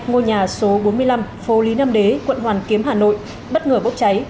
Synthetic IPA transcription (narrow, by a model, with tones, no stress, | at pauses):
ŋo˧jɲaː˨˩so˨˦ɓo˨˦nmɨ˧əjla˧mfo˨˦li˨˦na˧mɗe˨˦kwə̰˧˨nɦwaː˨˩nki˨˦əmɦaː˨˩no̰˧˨j | ɓə˦˥t̚ŋəː˧˩ɓo˦˥p̚t͡ɕa˨˦j